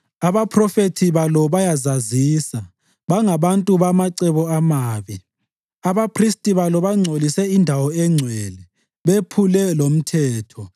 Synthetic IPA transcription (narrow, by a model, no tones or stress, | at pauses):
aβapʰrɔfetʰiβalɔβajazazisa | βaŋaβantʼuβamaǀɛβɔamaːβi | aβapʰristʼiβalɔβaŋ͡ǀʱolisɛindʱawɔɛŋ͡ǀʱwɛlɛ | βepʰulɛlom̩tʰɛːtʰɔ